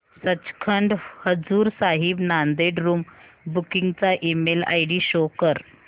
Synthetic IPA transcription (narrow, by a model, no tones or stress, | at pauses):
sət͡ɕkʰəɳɖhəd͡zuːɾsaɦibnand̪eɖɾuːm | bukiŋɡt͡saʔimela̰jɽiɕokəɾ